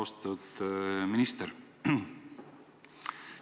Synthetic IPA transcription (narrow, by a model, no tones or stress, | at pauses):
ost̪ud̪minist̪eɾ